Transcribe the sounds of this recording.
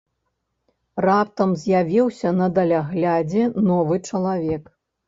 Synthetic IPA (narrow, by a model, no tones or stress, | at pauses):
rap̚t̪ɐmzʲjavʲiwsʲɐnɐd̪ɐlʲaɣlʲad͡zʲɛnɔvɨt͡ʂɐlˠavʲɛk